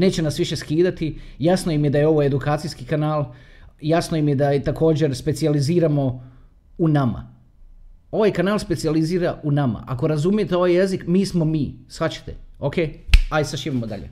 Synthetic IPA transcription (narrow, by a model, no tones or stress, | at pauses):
ne̞ːt͡ɕe̞nasʋiʃe̞skiːd̪at̪ijasnojimjed̪ajeo̞ʋoed̪ukaːt̪sijskikanaːlˠjasnojimjed̪at̪ako̞ːd͡ʑe̞ɾspe̞t̪sializiːɾamo̞ | unama̰ | o̞ʋajkanaːlˠspesializiːɾaunama̰ʔako̞ɾazumije̞t̪eo̞ʋajje̞zikmiːsmo̞miːsʋat͡ɕḁt̪ḛokʰe̞ːajisaʃiʋimod̪a̰ʎḛ